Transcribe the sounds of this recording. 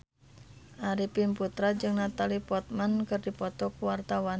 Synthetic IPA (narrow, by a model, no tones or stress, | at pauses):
ʔaɾipimput̪ɾad͡ʒɨŋnat̪alipɔt̪̚mankɨrdipɔt̪ɔkuwart̪awan